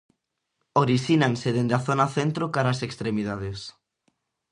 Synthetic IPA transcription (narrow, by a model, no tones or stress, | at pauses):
oɾisinãnseðend̪aθonaθent̪ɾokaɾasekst̪ɾemið̞að̞es